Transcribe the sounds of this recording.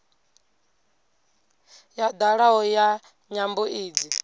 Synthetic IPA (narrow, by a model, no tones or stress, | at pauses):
jad̪aɺaɦɔja | ɲambuiːd͡zi